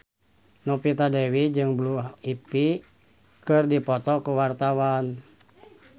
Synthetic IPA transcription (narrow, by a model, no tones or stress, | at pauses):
nɔpit̪adɛwid͡ʒɨŋbluɦipi | kɨrdipɔt̪ɔkuwart̪awan